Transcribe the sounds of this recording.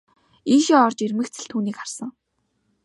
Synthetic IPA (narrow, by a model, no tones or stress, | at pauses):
iːʃiɔrt͡ɕermɘ̆kt͡sʰɘ̆ɮt̪ʰuːniːkχarsə̆ŋ